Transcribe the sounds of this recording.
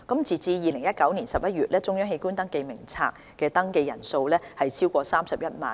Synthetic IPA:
kɐ˨˥mt͡siː˨t͡siː˧jiː˨˩lɪ˨˩ŋjɐ˥t̚kɐ˨˥wniː˨˩nsɐ˨p̚jɐ˥t̚ɥyː˨t̚lʔɛː˥t͡sʊ˧˥ŋjœː˥ŋhe˧jkuː˥nt̪ɐ˥ŋke˧jmɪ˨˩ŋt͡sʰa̰ː˧k̚ | kːɛː˧t̪ɐ˥ŋke˧jɐ̰˨˩nso˧wlɛː˥hɐ˨jt͡sʰiː˥wkʷɔː˧saː˥msɐ˨p̚jɐ˥t̚ma̰ː˨n

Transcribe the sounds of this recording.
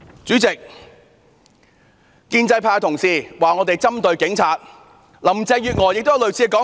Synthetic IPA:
t͡syː˨˥t͡sɪ˨k̚ | kiː˧nt͡sɐ˧jpʰaː˧t̪ʰʊ˨˩ŋsiː˨˩waː˨ŋɔ˨˧t̪e˨jt͡sɐ˥mt̪ɵ˧ɥkɪ˨˥ŋt͡sʰaː˨˧t̚ | lɐ˨˩mt͡sɛː˧jyː˨t̚ŋɔː˨jɪ˨k̚t̪o˥jɐ˧wlɵ˨ɥt͡sʰiː˨˧˥kɔː˨˥

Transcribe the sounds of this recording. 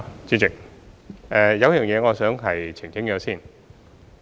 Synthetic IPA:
t͡siː˧˥t͡sɪ˨˩k̚ʔɛː˨jɐ˨˧wjœː˨˩ŋjɛː˨˧ŋɔː˨˧sœː˨˥ŋɦɐ˨jt͡sʰɪ˨˩ŋkɪ˥ŋjœː˨˧˥siː˥˩n

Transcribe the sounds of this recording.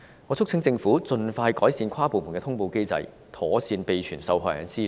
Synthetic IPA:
ŋɔː˨˧t͡sʰʊ˥ŋt͡sɪ˧ŋfuː˨˥t͡sɵ˧nfaː˧jkɔː˨˥jsiː˧nkʷʰwaː˥po˨wmu˨˩nkɛː˧t̪ʰʊ˥ŋpo˧wke˥jt͡sɐ̰˧j | t̪ʰɔː˨˥siː˧npe˧jt͡ʃʰyː˨˩nsɐ˧wɦɔː˧˩jɛ̰ː˨˧˥nsiː˥

